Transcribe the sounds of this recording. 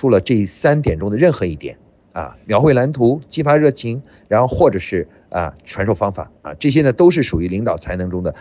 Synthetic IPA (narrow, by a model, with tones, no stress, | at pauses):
u˥lə˨ʈ͡ʂɤ˥˧˩i˥˩sa˥nt̪jɛ˨˩nʈ͡ʂʊ˥ŋd̪ə˨ɻə˥˩nxɤ˧˥i˥˩t̪jɛ̰˨˩˦n | ə̰˧mjɑ˧˥ʊxwe˥˩ɪla˧˥nt̪ʰu˧˥t͡ɕi˥fa˥ɻɤ˥˩t͡ɕʰi˧˥ŋ | ɻa˧˥nxo˥˧xwɔ˥˩ʈ͡ʂɤ˨˩ʂɻ̩˥˩ | ə̰˧ʈ͡ʂʰwa˧˥nʂo˥˩ʊfɑ˥ŋfa̰˨˩˦ə̰˧˩ʈ͡ʂɤ˥˩ɕ̬jɛ˥nə˨t̪o˥ʊʂ̬ɻ̩˥˩ʂu˨˩y˧˥li˧˥ŋt̪ɑ˨˩ʊt͡sʰa˧˥ɪnɤ˧˥ŋʈ͡ʂʊ˥ŋd̪ə˨˩